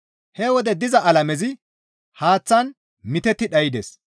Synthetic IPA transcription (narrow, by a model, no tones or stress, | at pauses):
hɛwɔd̪ɛd̪ɪzɐʔɐlɐmɛzɪ | haːt͡sːɐn | mɪt̪ɛt̪ːɪɗɐjɪd̪ḛs